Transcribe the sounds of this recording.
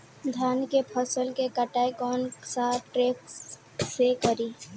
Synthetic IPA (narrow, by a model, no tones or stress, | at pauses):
d̪ʱjaːnkepʰəsəlkekəʈaːjkɔːnsaːʈɾeːp | sekəɾiː